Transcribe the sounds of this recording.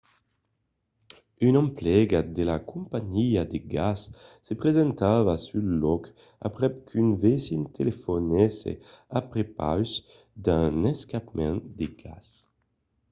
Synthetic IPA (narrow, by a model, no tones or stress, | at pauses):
ynɑ̃mplɛɡad̪elakũmpaɲiad̪eɡasː | epʁezɛ̃nt̪avasylɔk | a̰pɾɛp̚kʰynvesint̪ʰelefonɛsḛapɾepa̰ws | d̪ãnɛskapmɛ̃nd̪eɡa̰s